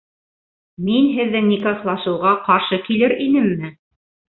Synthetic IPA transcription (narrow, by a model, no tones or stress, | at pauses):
minɦɘ̆ðːɘŋnʲikɑslˠɑʃɤ̆wʁɑqɑɾʃɤkilɘɾinɘmːɘ